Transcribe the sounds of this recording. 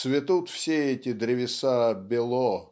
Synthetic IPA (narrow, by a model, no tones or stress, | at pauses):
svʲɪt̪ut̪fsʲeɛtʲɪd̪ɾʲɪvʲɪsabʲɪlˠɔ